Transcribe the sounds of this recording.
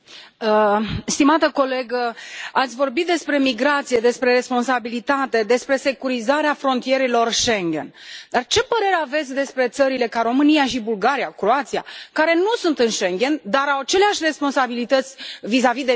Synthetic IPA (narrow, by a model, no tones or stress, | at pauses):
əst̪imat̪əko̞le̞ɡəat̪sʲvo̞rbit̪̚d̪e̞spɾe̞miɡɾat̪sije̞d̪e̞spɾe̞re̞spo̞nsabilit̪at̪e̞d̪e̞spɾe̞se̞kuɾizaɾeafɾo̞nt̪ije̞ɾelo̞rʃeŋɡe̞̰nd̪art͡ʃe̞pəɾe̞ɾeave̞t̪sʲd̪e̞spɾe̞t̪səɾile̞kaɾo̞mɨnijaʃibulɡaɾiakɾoat̪sia̰kaɾe̞nusunt̪ɨnʃeŋɡe̞nd̪aɾawat͡ʃe̞leaʃʲre̞spo̞nsabilit̪ət̪sʲvizavid̪e